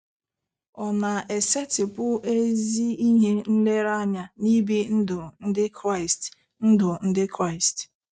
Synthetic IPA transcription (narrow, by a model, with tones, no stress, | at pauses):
ɔ˨na˨e˨se˦tɪ˨pʊ˦ʔe˦zi˦i˦ɦe˦n̩˦le˦ɾa˦ɲa˨ni˦bi˦n̩˦dʊ˨n̩˦dɪ˦kɾa˦ɪ˨st | n̩˦dʊ˨n̩˦dɪ˦kɾa˦˨ɪ˨st